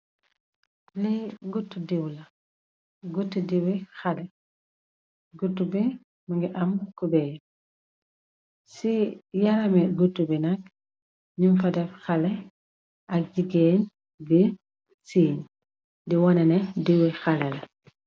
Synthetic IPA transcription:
liɡutːudiwlɐ | ɡutːudiwixalɛ | ɡutːubi | maŋɡiʔɐmkubɛj | sijalɐmiɡutːubinɐk̚ | ɲumfadɛfxalɛ | ʔɐk̚ɟiɡen | bi | siːɲ | diwɔnɛnɛdiwixalɛlɐ

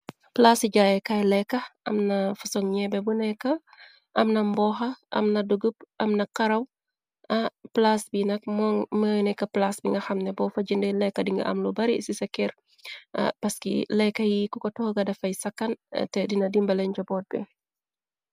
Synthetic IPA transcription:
plasiɟajɛkɐjlɛkːɐɐmnɐfɐsɔŋɲɛbɛbunɛkːɐ | ʔɐmnɐmbɔːxɐʔɐ̰mnɐduɡup̚ɐmnɐkɐɾɐw | ɐplasbinɐk̚mɔŋməːnɛkːɐplasbiŋɡɐxɐmnɛbɔːfɐd͡ʒəndɛlɛkːɐdiŋɡɐ̰ʔɐ̰mlubɐɾisisɐkːɛɾ | ɐ̰pɐskḭlɛkːɐjikukɔtɔhɡɐdɐfɐjsɐkːɐntɛdinɐdimbɐlɛɲd͡ʒɔbɔt̚bɛ̰

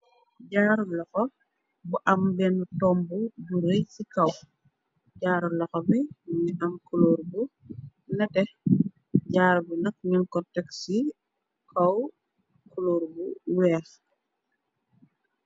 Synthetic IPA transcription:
ɟaːɾlɔxɔ | buʔɐmbɛnutɔːmbubuɾejsikɐw | ɟaːɾlɐxɔbiniʔɐmkuloːɾbu | nɐtɛ | ɟaːɾbunɐk̚ɲunkɔtɛksi | kʰɐw | kuloːɾbuwɛːx

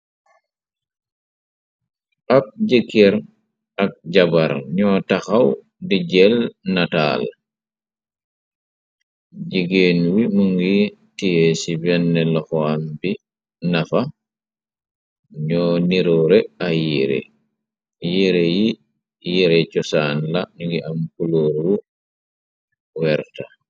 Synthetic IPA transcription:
ʔak̚ɟekːeɾ | ak̚ɟabaɾɲɔːtaxaw | diɟɛlnata̰l | ɟiɡeːnwimuŋɡi | tijesibɛnːɛlɔxɔambi | nafa | ɲɔniɾɔɾɛajiɾḛ | jiɾeji | jiɾɛt͡ʃɔsaːnlanuŋɡiʔamkuloɾːu | wɛɾta

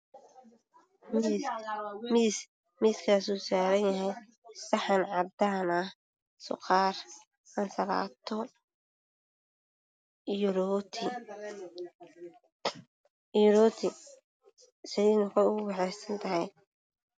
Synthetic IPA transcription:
mɪs | miskʰaːsuːsaːɾɐnjɐɦɛj | sɐħɑnʕɑd̪aːnɐh | sʊ̰qɑːr | ɐnsɐla̰ːt̪ʰɔ | ɾt̪ʰ | ɾɔːt̪ʰɪ | sɪjɛnʊkʰɐʊɣʊwɑħɛjsɐnt̪ʰɐɦɛj

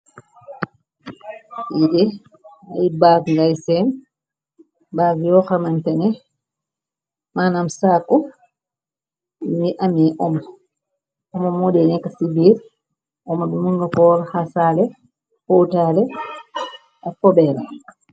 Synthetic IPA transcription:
jidɛ | ajibakŋɡajsɛm | baːvijɔxamantɛnɛ | manamsakːɔ | miʔamiʔɔm | ɔmɔmodɛnɛkːasibiːɾ | ɔmadumuŋɡakɔɾhasalɛ | hɔtalɛ | ɔfɔbɛːla

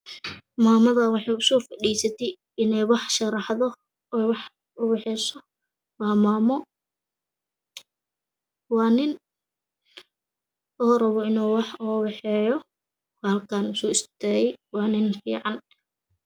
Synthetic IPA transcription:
maːmɐðɐwɑħɑjʊsɔːfɐɗiːsɐt̪ʰɛj | ɪnɛjwɑħʃɑɾɑħðɔ | ɛwɑħ | ʊwɛħɛsɔ | wɑːmaːmɔ | wɑːnɪn | ɔːɾɐβɔɪnɔːwɑħɔːwɛħɛːjɔ | kːhɐlkʰaːnʊsɔːɪst̪ʰɛːjɛjwɑːnɪnfḭːʕɑn

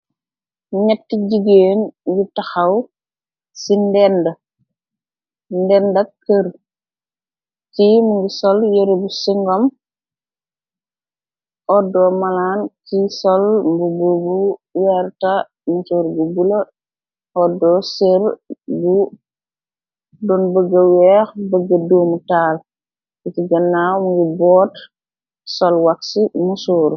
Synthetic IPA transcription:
ɲɛtːiɟiɡeːnɡutaxaw | sindɛndɐ | ndɛndɐkəɾ | kimuŋɡisɔljeɾebusiŋɡɔm | ɔdɔːmalaːnkisɔlmbububuwɛɾta | musuːɾbubulo | ʔɔdɔːseɾbu | dɔnbəɡəwɛxbəɡəduːmutaːl | kitiɡɐnːawmuŋɡibɔːt | sɔlwaksimusuːɾ

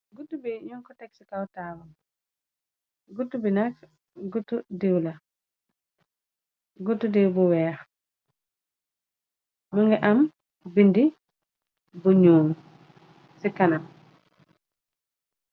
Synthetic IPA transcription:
ɡutːubiɲɔŋkɔtɛksikawtawan | ɡutːubinak | ɡutːudewla | ɡutːudewbuwɛːɾ | muŋɡɛʔam | bindi | buɲuːm | sikːanam

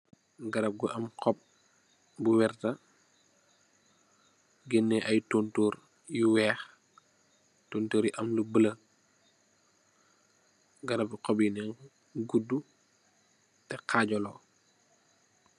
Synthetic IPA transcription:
ɡɐɾɐp̚ɡuʔɐmkʰɔp̚ | buwɛrtɐ | ɡɛnːɛʔɐjtontoːɾ | jiwɛːx | tontoːɾjiʔɐmlubəlɐ | ɡɐɾɐp̚ikɔbjinɛŋ | ɡudːu | tɛqʰaːɟɔlɔː

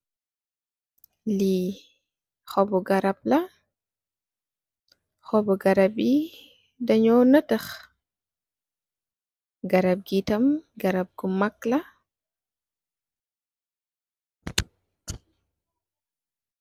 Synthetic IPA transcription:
li | xɔbɔɡɐɾɐp̚lɐ | xɔbɔɡɐɾɐbi | dɐɲɔnətəx | ɡɐɾɐp̚ɡitɐmɡɐɾɐp̚ɡumɐklɐ

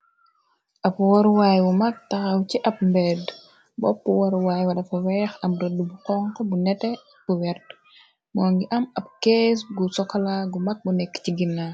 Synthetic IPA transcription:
ʔɐpwɐɾwajwumɐk̚tɐxɐwciʔɐp̚mbɛd | bɔ̰pːuwɐɾwajwɐlɐfɐwɛːxɐmɾədːubuqɔŋkɔbunɛtɛ | buwɛrd | mɔːŋɡiʔɐmɐp̚keːsɡusɔkːɐlaɡumɐk̚bunɛkːciɡinːa

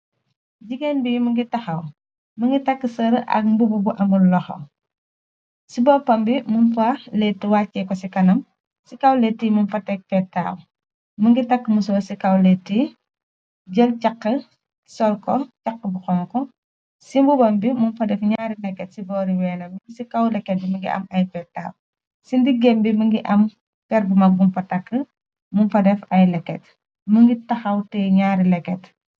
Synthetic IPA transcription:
ɟiɡɛnbijiməŋɡitɐxɐw | məŋɡitɐkːəsɐɾʔɐ̰k̚mbububuʔɐmullɔxɐ̰ | sibɔːpɐmbimunfɐlɛtːiwaːcːɛkɔsikɐnɐm | sikɐwlɛtːimunfɐtɛk̚fɛtːa̰ːw | məŋɡitɐkːəmus̬ɔːsikɐwlɛtːi | ɟɐlcɐqːə | sɔlkɔcɐkːəbuxɔŋkɔ | simbubɐmbimunfɐdɛfɲaːɾilɛkːɛtsibɔːɾiwɛːnɐmiŋɡisikɐwlɛkːɛt̚bimɐŋɡḭʔɐ̰mɐjfɛtːa̰ːw | sindiɡɛmbiməŋɡiʔɐm | pɛrbumɐbumfɐtɐkːə | munfɐdɛfɐjlɛkːɛt | məŋɡitɐxɐwtɛɲaːɾilɛkːɛt

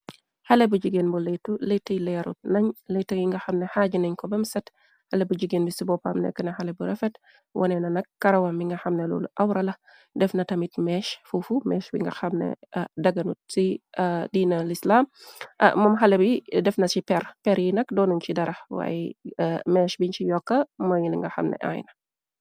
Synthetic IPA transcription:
hɐlɛbuɟiɡenbuletːuletːɐjlɛɾṵt̚nɐɲlejtːɐjiŋɡɐxɐmnɛhaːɟinɐɲkɔbɐmsɐt | hɐlɛbuɟiɡeːnbisibɔpa̰mnɛ̰kːənɐxɐlɛbuɾɛfɛt | wʔɐ̰nɛnɐnɐkːɐɾɐwɐmiŋɡɐxɐmnɛlɔ̰ːlṵʔɐwɾɐlɐ | dɛfnɐtɐmitmɛːʃfufumɛːʃbḭŋɡɐxɐmnɛ̰dɐɡɐnusidiːnɐlislaːm̰ː | ɐmɦɐlɐbidɛfnɐsipɛɾpɛɾjinɐkdɔːnuɲt͡ʃidɐɾʔɐwa̰ːjɛmɛːʃbiɲt͡ʃijɔkːɐmɐjiliŋɡɐxɐ̰mnɛ̰ʔa̰jnɐ

